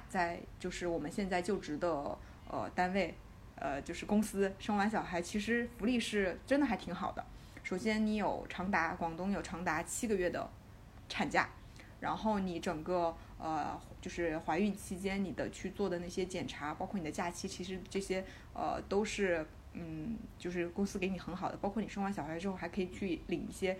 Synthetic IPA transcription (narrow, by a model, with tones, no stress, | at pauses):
t͡sa˥˧ɪt͡ɕjo˥˧ʊʂɻ̩˥˩wɔ˨˩mə˦nɕjɛ˥˧nt͡sa˥˧ɪt͡ɕjo˥˩ʊʈ͡ʂɻ̩˧˥d̪ə˧ | ə̰˧t̪a˥nwe˥˩ɪ | ə˧t͡ɕjo˥˧ʊʂɻ̩˥˩kʊ˥ŋsɹ̩˥ʂɤ˥ŋwa˧˥nɕ̬jɑ˨˩ʊxa˧˥ɪt͡ɕʰi˧˥ʂɻ̩˧˥fu˧˥li˥˧ʂɻ̩˥˩ʈ͡ʂə˥nd̪ə˨˩xa˧˥ɪt̪ʰi˧˥ŋxɑ˨˩ʊd̪ə̰˦ | ʂo˨˩ʊɕjɛ˥nni˧˥jo˨˩ʊʈ͡ʂʰɑ˧˥ŋt̪a˧˥kwɑ˨˩ŋt̪ʊ˥ŋjo˨˩ʊʈ͡ʂʰɑ˧˥ŋt̪a˧˥t͡ɕʰi˥ɡə˧ɥɛ˥˩d̪ə̰˩ | ʈ͡ʂʰa˨˩nt͡ɕja̰˥˩ | ɻa̰˧˥nxo˥˩ʊni˨˧˥ʈ͡ʂɤ˨˩ŋɡə˧ | ə˧ | t͡ɕjo˥˧ʊʂɻ̩˥˩xwa˧˥ɪy˥˩nt͡ɕʰi˥t͡ɕjɛ˥nni˨˩d̪ə˦t͡ɕʰy˥˧t͡swɔ˥˩d̪ə˩na˥˩ɕjɛ˥t͡ɕjɛ˨˩nʈ͡ʂʰa˧˥pɑ˥kʰwɔ˥˩ni˨˩d̪ə˦t͡ɕja˥˩t͡ɕʰi˥t͡ɕʰi˧˥ʂɻ̩˧˥ʈ͡ʂɤ˥˩ɕjɛ˥ | ə̰˧t̪o˥ʊʂɻ̩˥˩ | n̩˥˩t͡ɕjo˥˧ʊʂɻ̩˥˩kʊ˥ŋsɹ̩˥ke˧˥ɪni˨˩xə˧˥nxɑ˨˩ʊd̪ə˦pɑ˥ʊkʰwni˨˩ʂɤ˥ŋwa˧˥nɕɑ˨˩xa˧˥ɪʈ͡ʂɻ̩˥xo˥˩ʊxa˧˥ɪkʰɤ˧˥i˨˩t͡ɕʰy˥˩li˨˩ŋḭ˥˩ɕjɛ˥